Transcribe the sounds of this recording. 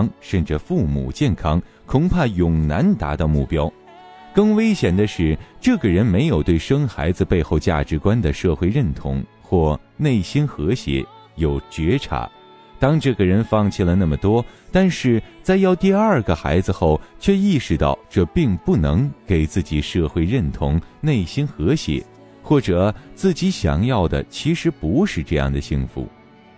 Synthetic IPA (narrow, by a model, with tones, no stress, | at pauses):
ŋʂə˥˩nʈ͡ʂə˩fu˥˩mṵ˨˩t͡ɕjɛ˥˩nkʰɑ˥ŋ | kʰʊ˧˩ŋpʰa˥˩jʊ˨˩ŋna˧˥nt̪a̰˧˥t̪ɑ˥˧ʊmu˥˩pjɑ˥ʊ | kɤ˥˩ŋwe˥ɪɕjɛ˨˩nd̪ə˦ʂɻ̩˥˩ʈ͡ʂɤ˥˩ɡə˩ɻə˧˥nme˧˥ɪjo˨˩ʊt̪we˥˩ɪʂɤ˥ŋxa̰˧˥ɪd͡zɹ̩˧pe˥˧ɪxo˥˧ʊt͡ɕja̰˥˩ʈ͡ʂɻ̩˧˥kwa˥nd̪ə˨ʂɤ˥˧xwe˥˧ɪɻə˥˩nt̪ʰʊ̰˧˥ŋ | xwɔ˥˧ | ne˥˩ɪɕi˥nxɤ˧˥ɕjɛ̰˧˥ | jo˨˩ʊt͡ɕɥɛ˧˥ʈ͡ʂʰa̰˧˥ | t̪ɑ˥ŋʈ͡ʂɤ˥˩ɡə˩ɻə˧˥nfɑ˥˧ŋt͡ɕʰi˥˩lə˩na˥˩mə˩t̪wɔ˥t̪a˥˧nʂɻ̩˥˧t͡sa˥˧ɪjɑ˥˧ʊt̪i˥˧ɐ˞˥˩ɡə˩xa̰˧˥ɪd͡zɹ̩˧xo˥˩ʊt͡ɕʰɥɛ˥˧i˥˩ʂɻ̩˧t̪ɑ̰˥˩ʊʈ͡ʂɤ˥˧pi˥˧ŋpu˥˩nɤ˧˥ŋke˨˩ɪt͡sɹ̩˥˩t͡ɕi˨˩ʂɤ˥˧xwe˥˧ɪɻə˥˩nt̪ʰʊ˧˥ŋne˥˩ɪɕi˥nxɤ˧˥ɕjɛ̰˧˥˦ | xwɔ˥˩ʈ͡ʂɤ˨˩t͡sɹ̩˥˩t͡ɕi˧˥ɕjɑ̰˨˩ŋjɑ˥˩ʊd̪ə̰˩t͡ɕʰi˧˥ʂɻ̩˧˥pu˧˥ʂɻ̩˥˧ʈ͡ʂɤ˥˧jɑ̰˥˩ŋd̪ə˩ɕi˥˧ŋfṵ˧˩